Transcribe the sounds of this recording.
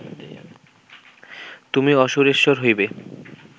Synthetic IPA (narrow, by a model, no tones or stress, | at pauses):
t̪umiɔʃoɾeʃːoɾɦojbe